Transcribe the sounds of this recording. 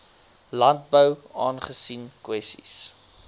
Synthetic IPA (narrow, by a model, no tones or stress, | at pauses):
lɐnt̚bəwɑːnχəsinkwɛstḭs